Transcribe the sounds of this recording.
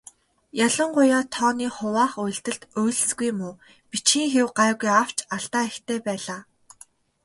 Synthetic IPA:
jaɮə̆ɴɢʊjaːt̪ʰɔːniːχʊwaːχʊj̆ɬt̪ɘ̆ɮt̪ʊjɮsɡujmʊː | pit͡ɕxiːŋxewɢaːɣujaw̥t͡ɕaɬt̪aːæxt̪ʰeːpæːɮaː

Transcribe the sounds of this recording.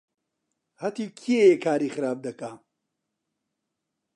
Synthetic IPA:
hɐt̪iːkʰiejekʰaːɾiːxɨɾaːb̚d̪ɐka

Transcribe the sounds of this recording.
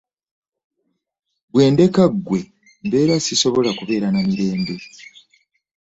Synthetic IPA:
bwe̞ːnde̞kaɡːwe̞ | mbe̞ːɾasiso̞βo̞lakuβe̞ːɾanamiɾe̞ːmbe̞

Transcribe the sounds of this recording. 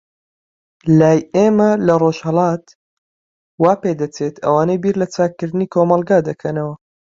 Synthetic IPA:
laːjeːmɐlɐroʒhɐlɑːt̪ | waːped̪ɐt͡seːt̪ɐ̰waːnejbiːɾlɐt͡saːkːɨɾd̪ɨniːkʰoːmɐlˠɡaːd̪ɐkʰɐnɐwɐ

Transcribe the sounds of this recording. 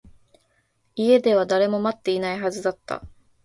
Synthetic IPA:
ie̞d̪e̞β̞ad̪aɾe̞mo̞mat̪ːe̞inaiɦazɨd̪at̪ːa̰

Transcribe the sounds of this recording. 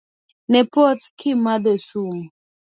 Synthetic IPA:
nɛpɔtkʰɪmad̪esuŋ

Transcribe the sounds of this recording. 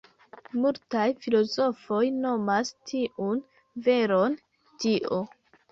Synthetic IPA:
multajfilo̞zo̞fo̞jno̞mastʰiʔun | ve̞ɾon | tiʔo

